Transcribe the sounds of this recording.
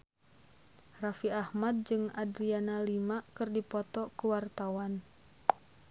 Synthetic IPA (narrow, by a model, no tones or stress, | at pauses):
rafiahmad̪̚d͡ʒɨŋadɾianalimakɨrdipɔt̪ɔkuwart̪awan